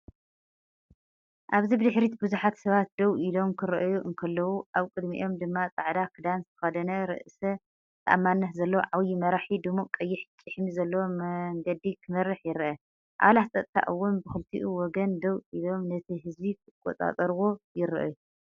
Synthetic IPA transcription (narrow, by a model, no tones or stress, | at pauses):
ʔaβzibɨd̪ɨħɾit̪bɨzuħat̪sɐβat̪̚d̪ɐwʔilo̞mkʰɨɾɐʔjuʔɨŋkʰɐlːɐwuʔaβkʼɨd̪mḭʔo̞md̪ɨmːat͡sʼaʕd̪akʰɨd̪ansɨxɐd̪ɐnɐɾɨ̰ʔsɐ | t̪ʰɐʔamːanːɐt̪zɐlːɐwoʕawjimɐɾaħid̪ɨmukʼɐjːɪħt͡ʃʼɨħmizɐlːɐwomɐŋɡɐd̪ikʰɨmɐrːɨħjɪɾʔɐ | ʔa̰βlatt͡sʼɐt̪ʼt̪ʰa̰ʔɨwːʊnbɨxɨlt̪ʰḭʔuwɔɡɐnd̪ɐwilo̞mnɐt̪ʰiɦɨzbikʰɨkʼːo̰t̪ʼa̰t̪ʼɐɾwo̞jɪɾɨʔɨ̰ju